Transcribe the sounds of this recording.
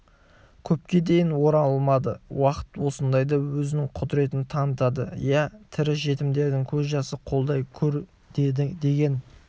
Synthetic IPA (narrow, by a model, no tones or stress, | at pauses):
kʲʰɵp̚kʲe̞d̪e̞jɪnwo̞ɾɑlˠmɑd̪əwɑqə̥t̪wo̞sənd̪ɑjd̪ɑwɵzɪnɪŋqʰʊd̪ɪɾe̞t̪ɪnt̪ʰɑnət̪ɑd̪ə̰jæt̪ʰɪɾɪsʒe̞t̪ɪmd̪e̞ɾd̪ɪŋkʲʰɵzʒɑsəqʰo̞lˠd̪ɑjkʲʰɵɾ | d̪d̪e̞ɡʲe̞n